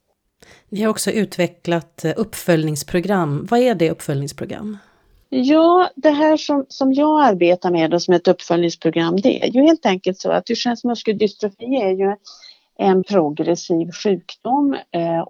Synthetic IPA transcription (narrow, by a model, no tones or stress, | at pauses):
vɪhaɾɔksɔʔʉ̟ːt̪vɛklat̪ɵpːfœlnɪŋspʰɾʊɡɾamːvaæɖɛɵpːfœlnɪŋspʰɾʊɡɾa̰mː | jɑːd̪ɛɦæːʂɔmsɔmjɑːɡaɾbeːt̪aɾmeːd̪ɔsɔmɛt̪ɵpːfœlnɪŋspʰɾʊɡɾamːd̪ɛ̰ɛ̰jɵheːlt̪ɛŋkəlt̪sɔ̰a̰t̪hɵʂɛnsmɵskəld̪ʏst̪ɾɔfiːæɾjɵ | ɛnpʰɾʊɡɾɛsiːvɧʉ̟ːkd̪ʊmː